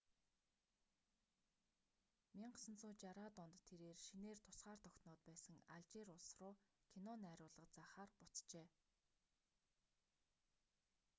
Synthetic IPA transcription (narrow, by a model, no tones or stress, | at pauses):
mʲiɴɢsə̆nt͡sʊːt͡ɕaɾaːt̪ʊnt̪ʰːeɾeːrʃineːrt̪ʰʊsɢaːrt̪ʰɔkt̪nʊːt̪pæːsə̆ŋaɮt͡ɕeɾʊɮsrʊːkʰinɔnæɾʲʊːɮə̆qt͡saːχaːrpʊt͡st͡ɕeː